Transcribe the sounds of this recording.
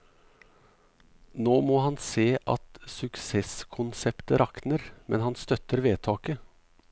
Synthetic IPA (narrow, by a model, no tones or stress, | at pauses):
noːmoːhɑnseːʔɑ̰t̪sʉkseːskʰʊnsɛpt̪əɾʔɑknəɾmɛnhɑnst̪œt̪əɾʋeːt̪ʰɑːkə